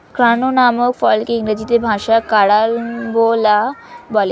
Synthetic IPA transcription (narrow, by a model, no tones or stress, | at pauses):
kɾanonamokfɔlkeiŋɾəd͡ʑit̪ebʱãʃakaɽalbolabɔle